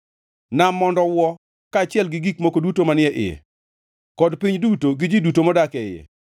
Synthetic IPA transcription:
namːɔndɔwɔ | kaːt͡ʃɪɛlɡɪɡikmokodutomanɪɛʔɪ̰jɛ̰ | kɔdpiɲdutoɡɪd͡ʒidutomɔdakɛɪjɛ̰

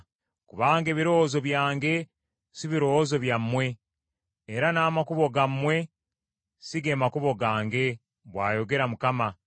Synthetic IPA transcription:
kuβaːŋɡe̞βiɾo̞zo̞βjaːŋɡe̞ | siβiɾo̞ːwozo̞βjamːwe̞ː | ɾanaːmakuβo̞ɡamːwe̞ | siɡemakuβo̞ɡaːŋɡe̞ | βwaːjo̞ɡe̞ɾamukama

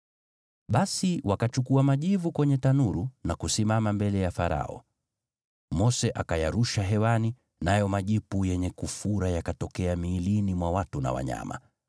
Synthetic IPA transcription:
ɓasiwakat͡ʃukuamaʄivukwɛɲɛtanuɾunakusimamambɛlɛjafaɾa̰ɔ̰ | mɔsɛʔakajaɾuʃaɦɛwani | najɔmaʄipujɛɲɛkufuɾajakatɔkɛamiːlinimwawatuna̰wa̰ɲa̰ma̰

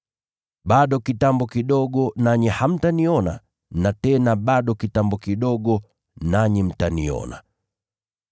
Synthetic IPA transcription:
ɓaɗɔkitambɔkiɗɔɠɔnaɲiham̩taniɔna̰ | natɛnaɓaɗɔkitambɔkiɗɔɠɔ | naɲim̩tanḭɔ̰na̰

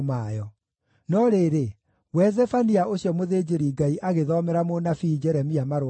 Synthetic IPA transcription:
majɔ | nɔɾeɾe | wɛzɛfaniaʔoɕjɔmoðeːd͡ʑeɾiɡaiʔaɣeðɔmɛɾamonafid͡ʒɛɾɛmiamaɾ

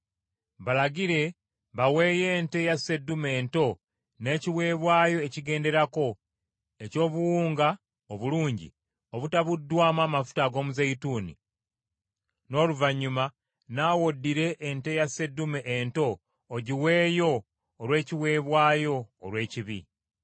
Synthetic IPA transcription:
βalaɡiɾe̞ | βawe̞ːje̞ːnte̞jase̞dume̞ːnto̞ | ne̞ːciwe̞ːβwaːjo̞eciɡe̞ːnde̞ɾako̞ | e̞co̞ːβuwuːŋɡa | oβuluːɲɟḭ | o̞βutaβudːwaːmaːmafu̥taɡo̞ːmuzeituːnḭ | no̞ːluvaɲːuma | naːwodːiɾe̞ʔːnte̞jase̞dumeʔento̞ː | ɟiwe̞ːjo̞ː | lwe̞ːciwe̞ːβwaːjo̞ːlwe̞ːciβḭ

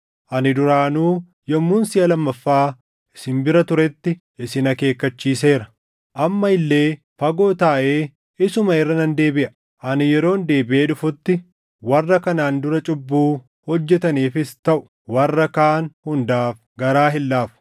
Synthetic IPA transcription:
ʔɐnɪd̪ʊɾaːnuː | jɔmːʊnsɪjɐlɐmːɐfːaː | ɪsɪmbɪɾɐt̪ʊɾɛt̪ːɪ | ɪsɪnɐke̞ːkːɐt͡ʃːiːse̞ːɾɐ̥ | ʔɐmːɐɪlːe̞ː | fɐɡo̞ːt̪aːʔe̞ː | ɪsʊmɐɪrːɐnɐnd̪e̞ːbɪʔɐ̥ | ʔɐnɪjɛɾo̞ːnd̪e̞ːbɪʔe̞ːᶑʊfʊt̪ːɪ | wɐrːɐkɐnaːnd̪ʊɾɐt͡ʃʼʊbːuː | hɔd͡ʒːɛt̪ɐniːfɪst̪ɐʔʊ̥ | wɐrːɐkaːnhʊnd̪aːf | ɡɐɾaːɦɪlːaːfʊ̥

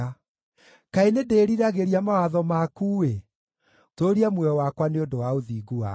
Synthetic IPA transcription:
kaenedeːɾiɾaɣeɾiamawaðɔmakuːwe | toɾiamwɛɔwakwaneondowaoðiːɡua

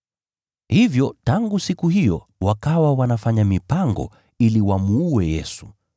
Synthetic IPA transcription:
hivjɔtaŋɡusikuhijɔ | wakawawanafaɲamipaŋɡɔ̰ | iliwamuːɛjɛsu̥

